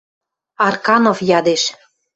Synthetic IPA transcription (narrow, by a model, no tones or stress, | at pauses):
ɑrkɑnofjɑd̪eʃ